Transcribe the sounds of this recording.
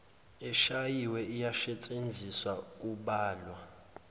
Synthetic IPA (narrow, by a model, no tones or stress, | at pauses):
ɛʃajiwɛʔijaʃɛt͡sʼend͡zʱiswak̬ʼuɓaːlwa